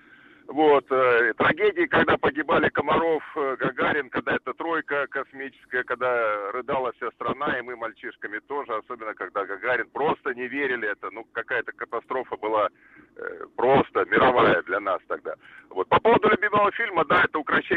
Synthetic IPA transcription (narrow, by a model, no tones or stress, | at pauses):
vot̪ːt̪ɾɐɡʲedʲɪːkɐɡd̪apəɡʲɪbalʲɪkəmɐɾo̞fɡɐɡaɾʲɪnkɐɡ̚d̪aɛt̪ət̪ɾo̞jkəkɐsmʲit͡ɕɪ̥skəjəkɐɡ̚d̪arɨd̪alˠəfsʲast̪ɾɐn̪aɪmɨmɐlʲt͡ɕiʂkəmʲɪt̪o̞ʐɨɐso̞bʲɪnːəkɐɡd̪aɡɐɡaɾʲɪnpɾo̞st̪ənʲɪvʲeɾʲɪlʲɪɛt̪ənukɐkajət̪əkət̪ɐst̪ɾo̞fəbɨlˠa | pɾo̞st̪əmʲɪɾɐvajəd̪lʲɐnast̪ɐɡ̚d̪a̰vo̞t̪̚pɐpo̞vəd̪ʊlʲʊbʲiməvəfʲilʲməd̪aɛt̪əʊkɾɐɕːe